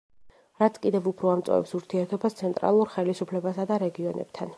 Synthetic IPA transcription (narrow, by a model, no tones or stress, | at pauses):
ɾat̪sʰkʼid̪ɛvupʰɾɔamt̪sʼɔ̰vɛ̰psuɾt̪ʰiɛɾt̪ʰɔbast̪sʰɛnt̪ʼɾa̰lˠuɾχɛlisupʰlɛbasad̪aɾɛɡiɔnɛ̰b̥̚t̪ʰan